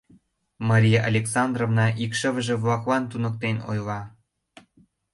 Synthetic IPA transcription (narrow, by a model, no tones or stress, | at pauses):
mɑɾʲijeʔɑlʲeksɑnd̪rovnɑʔikʃə̆βəʒĕβlɑklɑnt̪unə̆k̚t̪eno̰jlɑ